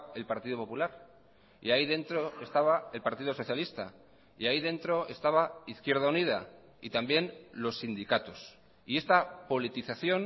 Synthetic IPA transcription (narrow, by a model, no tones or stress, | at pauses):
e̞lpaɾt̪ið̞o̞po̞pulaɾ | ḭaiðe̞nt̪ɾo̞e̞st̪aβ̞ae̞lpaɾt̪ið̞o̞so̞θjalist̪a̰ | ḭaiðe̞nt̪ɾo̞e̞st̪aβ̞aiθkje̞ɾð̞aunið̞a | it̪ambje̞nlo̞sːind̪ikat̪os | ie̞st̪apo̞lit̪iθaθjo̞n